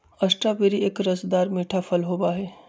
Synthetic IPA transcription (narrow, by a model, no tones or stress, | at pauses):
ɐsʈɾabeɾieːkɾɐsd̪aːɾmeːʈʰafʰɐlɦoːbaɦɛː